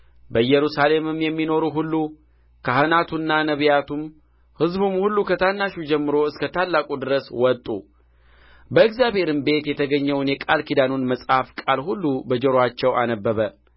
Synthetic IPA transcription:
bəjɛɾusale̞mɨmjɛmːino̞ɾuɦulːu | kʰahɨnat̪ʰunːanəβjat̪ʰum | hɨzbumhulːukʰət̪ʰanːaʃud͡ʒɛmːɨɾo̞ɨskət̪ʰalːakʼud̪ɨɾəswɔt̪ʼːṵ | bəɨkzjaβhe̞ɾɨmbe̞t̪jɛt̪ʰəɡəɲːəwnjɛkʼalkid̪anonməsʼhafkʼalhulːubəd͡ʒəɾoat͡ʃːɛwanəbːəβə

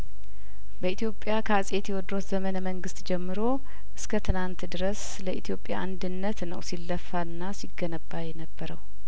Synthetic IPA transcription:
bəit̪ʰjo̞pʼːjakʰasʼe̞t̪jɛwɔd̪ɾo̞t̪zəmənəməŋɡɨst̪d͡ʒɛmːɨɾo̞ | ʔɨskʰət̪ʰɨnant̪d̪ɨɾəs | ləʔit̪ʰjo̞pʼːja̰ʔand̪ɨnːət̪nə̰wsilːəfanːasiɡənəbːajɛnəbːəɾəw

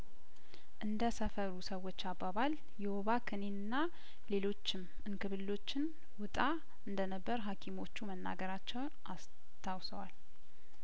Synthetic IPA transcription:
ʔɨnd̪əsəfəɾusəwo̞t͡ʃːabːaβal | jɛho̞βakʰɨnenɨnːa | le̞lo̞t͡ʃːɪm | ɨnkɨβɨlːo̞t͡ʃːɪn | wʊt̪ʼa | ɨnd̪ənəbːəɾɦakʰimo̞t͡ʃːumənːa̰ɡəɾat͡ʃːɛwnʔas | t̪ʰawsəwal

